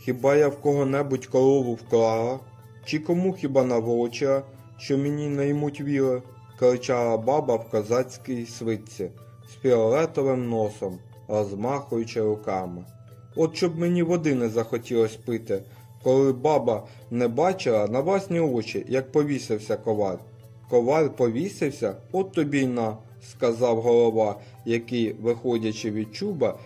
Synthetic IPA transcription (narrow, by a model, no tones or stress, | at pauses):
xʲibɑjawkɔɦɔnɛbʊtʲkɔlˠɔʋʊwkɾɑlˠɐ | t͡ʃɪkɔmuxʲibɑnɐʋɔt͡ʃɪɐ | ʃt͡ʃɔmenʲinɐjmutʲʋʲiɾˠɪ | kɔɾɪt͡ʃɑlˠɐbɑbɐwkɐzɑt͡sʲkɪjisʋɪt͡sʲi | spʲiɔlˠɛt̪ɔʋɪmnɔsɔm | ɾɔzmɑxʊjʊt͡ʃɪɾʊkɑmɪ | ɔt̪ʃɔbmenʲiʋɔd̪ɪnɛzɐxɔtʲilˠɔsʲpɪt̪ɪ | kɔlˠɪbɑbɐ | nɛbɑt͡ʃɪlˠɐnɐwlˠɑsʲnʲiɔt͡ʃḭjɐk̚pɔʋʲisɪwsʲɐkɔʋɑlʲ | kɔʋɑlʲpɔʋʲisɪwsʲɐɔt̪ːɔbʲijnɐ | skɐzɑwɦɔlˠɔʋɑ | jɐkɪjʋɪxɔdʲɐt͡ʃɪʋʲid̪̚t͡ʃubɐ